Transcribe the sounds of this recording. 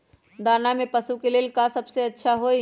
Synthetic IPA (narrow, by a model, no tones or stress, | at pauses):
d̪aːnamẽpəsukeleːlkasəbseɐtːʃʰaɦoi